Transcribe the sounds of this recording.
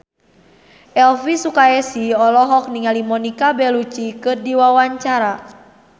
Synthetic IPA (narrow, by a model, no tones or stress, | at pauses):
ʔɛlfisukaɛsiɔlɔɦɔk̚niŋalimɔnikabɛlut͡ʃikɨrdiwawaɲt͡ʃaɾa